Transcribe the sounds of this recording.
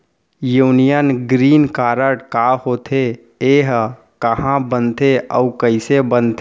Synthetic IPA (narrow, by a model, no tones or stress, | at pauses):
juːnijənɡɾiːnkaːɾəɽkahoːt̪ʰe | eːɦ | kəɦãbənt̪ʰeə̰ukəɪsebənt̪ʰe